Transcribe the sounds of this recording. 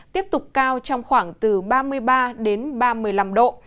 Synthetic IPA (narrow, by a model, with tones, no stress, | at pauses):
t̪i˦˥əp̚t̪ʊ˨˩k͡p̚kaː˧wt͡ɕɔ˧wŋ͡mxwaː˧˩ŋt̪ɨ˨˩ɓaː˧mɨ˧əjɓaː˧ɗe˨˦nɓaː˧mɨ˧˩əjla˧mɗo̰˧˨